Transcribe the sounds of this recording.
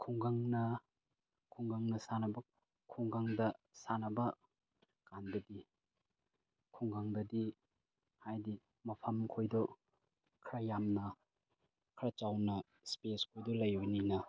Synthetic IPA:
kʰuŋɡaŋnɐ | kʰuŋɡaŋnɐsanɐbɐ | kʰuŋɡaŋdɐsanɐbɐ | kandɐdi | kʰuŋɡaŋdɐdi | hajdi | mɐpʰɐmkʰojdɔ | kʰɾɐjamnɐ | kʰɾɐt͡ʃawnɐ | speskʰojdɔlɐjbɐninɐ

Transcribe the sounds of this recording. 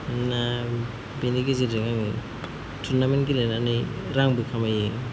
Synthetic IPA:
na | beniɡiziiŋamɯ | tʰuɾnamenɡilejnani | ɾaŋbɯkʰamajɯ

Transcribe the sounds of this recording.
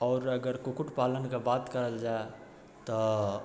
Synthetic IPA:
ɔːɾəɡəɾkokuʈpalənkebat̪kəɾəld͡ʒae | t̪ɔ

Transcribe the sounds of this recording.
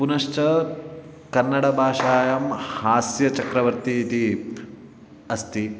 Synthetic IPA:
punɐʃt͡ʃɐ | kɐnːɐɽɐbʱaːʂaːjɐmhaːsjɐt͡ʃɐkɾɐʋɐɾt̪iːt̪i | ɐst̪i

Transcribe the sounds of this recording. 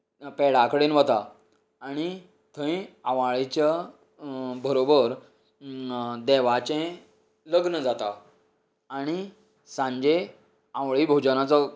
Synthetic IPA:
pɛɽakəɽenʋət̪a | aɽ̃i | t̪ʰə̃ĩãʋaɭit͡ɕa | bʱəɾobəɾ | d̪ɛʋat͡ɕẽ | ləɡnəd͡zat̪a̰ː | ɽ̃i | sãɲd͡ʑe | ãʋɭibʱod͡ʑənat͡sɔ

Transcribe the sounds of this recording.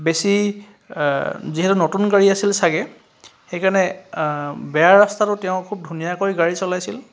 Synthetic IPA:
besi | ziɦɛtunotunɡaɹiasilsaɡɛ | xejkaɹnɛ | bɛjaɹastatʊtɛʊ̃kʰub̚dʱunijakojɡaɹisɔlajsil

